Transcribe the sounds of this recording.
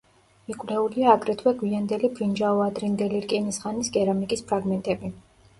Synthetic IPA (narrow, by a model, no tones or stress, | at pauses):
mikʼwlɛuliaːɡɾɛt̪ʰwɛɡwiand̪ɛlibɾind͡ʒaɔad̪ɾind̪ɛliɾkʼinisχanisɡɛɾamikʼispʰɾaɡmɛnt̪ʼɛbi